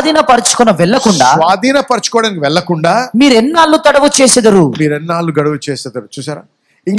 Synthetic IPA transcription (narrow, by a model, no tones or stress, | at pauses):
d̪ʱiːnɐpɐɾit͡ʃu̥kɔnɐʋɛɭːɐkuɳɖasːʋaːd̪ʱiːnɐpɐɾt͡ʃu̥kɔːɽaːnikiʋɛɭːɐkuɳɖaːmiːɾɛnːaːlːut̪ɐɽɐʋut͡ʃeːsɐd̪ɐɾumiːɾɛnːaːlːuɡɐɽɐʋut͡ʃɛːsɛd̪ɐɾut͡ʃuːsaːɾaː | iŋ